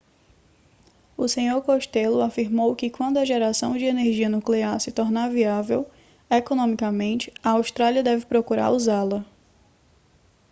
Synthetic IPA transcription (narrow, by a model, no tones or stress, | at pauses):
ʊsẽɲoɾkoʃt̪ɛlʊafiɾmowkɪkwɐ̃nd̪ʊɐʒɛɾasɐ̃w̃d͡ʒɪeneɾʒiɐnukleaɾsɪt̪ɔɾnaviavew | ekõnõmikɐmẽnt͡ʃɪ̥ɐawʃt̪ɾaliɐd̪ɛvɪpɾokuɾa̰ɾuzalɐ